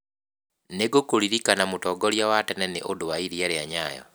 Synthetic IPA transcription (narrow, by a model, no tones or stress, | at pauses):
neɡokoɾiɾikanamutɔɡɔljawatɛnɛneʔodowaiɾiaɾeaɲajɔ̰